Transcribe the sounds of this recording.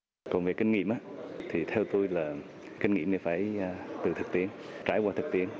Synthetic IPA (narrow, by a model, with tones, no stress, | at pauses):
kɔ˨˩nve˨˩kï˧ŋ̟ŋḭ˧˨əmʔaː˨˧˦t̪ʰi˨˩t̪ʰɛ˧wt̪u˧jlaː˨˩ | ki˧ŋ̟ŋḭ˧˨əmne˧˩faː˧˩jt̪ɨ˨˩t̪ʰɨ˨˩k̚t̪i˧˨ənt͡ɕaː˧˩jkwaː˧t̪ʰɨ˨˩k̚t̪ḭ˧˩ən